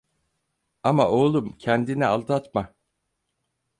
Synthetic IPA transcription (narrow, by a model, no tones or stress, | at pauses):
amaʔo̞ːlˠumcʰɛnd̪inialˠd̪at̪ma